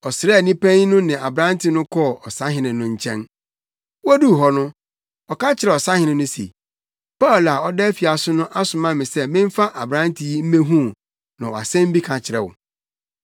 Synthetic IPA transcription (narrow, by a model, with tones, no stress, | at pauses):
ɔ˨sɾɛ˦˨nĩ˦pʰɛ̃˦n˦nʊ̃˦nɪ̃˨a˨bɾã˦n˦tɪ˨nʊ̃˦kʰɔ˦˨ɔ˨sa˦ɦɪ̃˨nɪ̃˨nʊ̃˨ɲ̩˨t͡ɕʰɛ̰̃˦n | wdu˦˨ɦɔ˨nʊ̃˦ | ɔ˨kã˦t͡ɕʰɪ˨ɾɛ˨ɔ˨sa˦hɪ̃˨˦nɪ̃˨nʊ̃˦sḭ˨ | pa˦˨la˨ɔ˦dɛ˦fi˨a˨sʊ˦nʊ̃˦ʔa˦sʊ̃˨mã˦mɪ̃˨sɛ˦mɪ̃˦m̩˦fa˦ʔa˨bɾã˦n˦tʰɪ˨ji˦m̩˦mẽ˦ɦũ˦˨ | nã˨wɔ˨a̰˨sɛ̃˦m̩˦bi˦kʰã˨t͡ɕʰɪ˨ɾɛ˨wʊ̰˨